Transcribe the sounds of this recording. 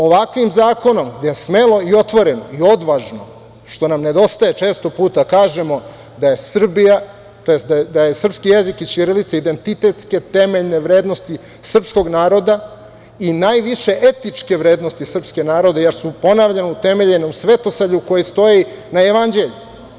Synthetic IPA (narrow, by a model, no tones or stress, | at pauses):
o̞ʋakʋimzaːko̞no̞md̪ajesme̞lo̞io̞t̪ʋo̞ɾe̞noio̞d̪ʋaʒno̞̰ | ʃt̪o̞namne̞d̪o̞st̪aje̞t͡ʂe̞ːst̪o̞puːt̪akaːʒe̞mo̞ | d̪aje̞sr̩bija | t̪ojest̪d̪ad̪ajesr̩pskijezikit͡ɕiɾilit̪said̪e̞nt̪it̪e̞t̪ske̞t̪e̞meʎneʋɾe̞ːd̪nost̪i | sr̩psko̞ɡnaːɾo̞d̪a | inajʋiʃe̞ʔet̪it͡ʂke̞ʋɾe̞ːd̪nost̪isr̩pske̞naːɾo̞d̪ejeɾsupo̞naʋʎenout̪e̞me̞ʎenomsʋe̞t̪o̞saʎuuko̞jist̪o̞jinajeʋand͡ʑe̞ʎu